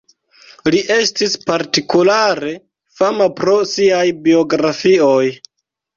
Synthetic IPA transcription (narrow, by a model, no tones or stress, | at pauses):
liʔe̞stispaɾtikulaɾe̞ | famapɾo̞siajbio̞ɡɾafio̞j